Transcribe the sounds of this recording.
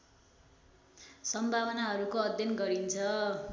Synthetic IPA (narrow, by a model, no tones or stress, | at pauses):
sʌmbʱawʌnaɦʌɾukoʌd̪ʱjʌnɡʌɾint͡sʰʌ